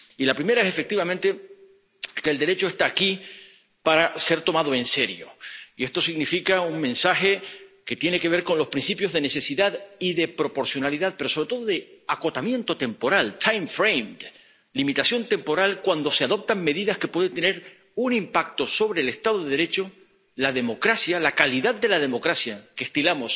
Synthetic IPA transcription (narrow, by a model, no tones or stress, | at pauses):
ilapɾime̞ɾaese̞fe̞k̚t̪iβamẽnt̪e̞ | keld̪e̞ɾe̞t͡ʃo̞e̞st̪aːki | paɾase̞ɾt̪o̞mað̞o̞e̞nse̞ɾjo̞̰ie̞st̪o̞siɣnifikauŋmẽ̞nsaxe̞ke̞t̪je̞ne̞ke̞β̞e̞ɾko̞nlo̞spɾinsθipjo̞zðe̞ne̞se̞siðaðiðe̞pɾo̞po̞ɾsjo̞naliðaðpe̞ɾo̞so̞βɾet̪o̞ðoðe̞ako̞t̪amjẽ̞nt̪o̞t̪e̞mpo̞ɾalt̪ʰajmfɾejmd̪ | limit̪asjo̞nt̪e̞mpo̞ɾalkwand̪o̞se̞aðo̞p̚t̪aŋme̞ðiðaske̞pwe̞ðet̪e̞ne̞ɾ | unĩmpak̚t̪o̞so̞β̞ɾe̞ːle̞st̪aðoðeðeɾe̞t͡ʃo̞ | laðe̞mo̞kɾasjalakaliðaðd̪e̞laðe̞mo̞kɾasjakest̪ilamo̞s